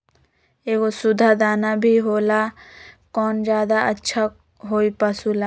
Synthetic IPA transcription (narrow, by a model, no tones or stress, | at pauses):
eːkosʊd̪ʱad̪aːnabʱiɦoːlakɔːnd͡ʒjaːd̪aɐtːʃʰa | ɦoːipasulaː